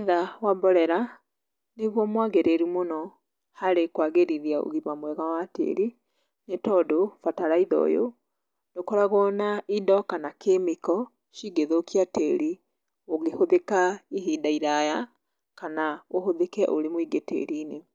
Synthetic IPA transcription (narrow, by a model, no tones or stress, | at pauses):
ðawabɔɾɛɾa | neɣwɔmwaɣeɾeɾimonɔ | haɾekwaɣeɾiðjao̰ɣimamwɛɣawatḛːɾi | netɔdofataɾaiðɔ̰jo̰ | ndokɔɾaɣɔnaidɔkanakʰemikɔ | ʃiɡeðokiateɾi | oɣehoðekaiɦidaiɾaja | kanaohoðekɛʔoɾemwiɡetḛɾiːne